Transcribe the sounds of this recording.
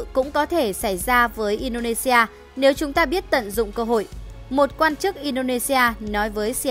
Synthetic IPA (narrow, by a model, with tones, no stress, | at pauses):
kʊ̰˧˥ŋ͡mkɔ˨˦t̪ʰe˧˩sa˧˩jzaː˧vəː˨˦jʔi˧nɗo˧ne˧si˧aː˧ | ne˨˦wt͡ɕʊ˨˦ŋ͡mt̪aː˧ɓi˦˥ət̚t̪ə̰˧˨nzʊ̰˧˨ŋ͡mkəː˧ɦo̰˧˨jmo˨˩t̚kwaː˧nt͡ɕɨ˦˥k̚ʔi˧ɗo˧ne˧si˧aː˧nɔ˨˦jvəː˨˦jsi˧